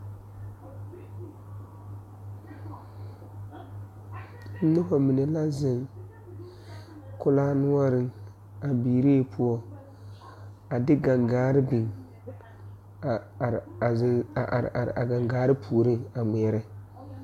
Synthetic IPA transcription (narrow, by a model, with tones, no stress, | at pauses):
n̩˦nʊ˦ha˨mi˨ne˨la˦zɪ˨ŋ | kʊ˦laː˦nʊ˦ɔ˦ɾɪ˦ŋ | a˨biː˨ɾe˦˨pʰʊ˦ɔ˦ | a˨dɪ˦ɡa˨ŋɡaː˨˦ɾɪ˦bi˨ŋ˨ | ɾ̰ʔa̰˨ɾ̰ʔa̰˨ɡa˨ŋɡaː˨˦ɾɪ˦pʰuː˨ɾɪ˦ŋa˨mɛ˨ɛ˦ɾɪ˦